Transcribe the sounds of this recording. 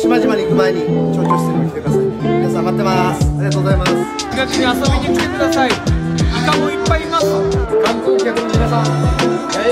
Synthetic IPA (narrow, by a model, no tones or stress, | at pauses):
ɕimaʑimaɲʲikɯ̟maeɲ̟it͡ɕoːkʲokːɯst̪eɾʲikʲit̪ekɯd̪asaiinasãbat̪ːemasaɾʲiɡat̪oːzaimas | iɡakɯɲiasobit̪ikʲi̥t̪e̞kɯd̪asaiik̪amõipːaiiːmasokãnpõkʲakɯnoinasã